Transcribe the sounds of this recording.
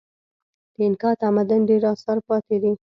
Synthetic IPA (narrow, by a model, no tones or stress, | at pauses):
d̪̥əɪnkɑɾt̪amad̪anɖeɾɑsɑɾpɑt̪ed̪i